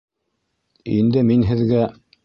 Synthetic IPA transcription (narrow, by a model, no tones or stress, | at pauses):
ḭnd̪ɘminɦɘ̆ðɡæ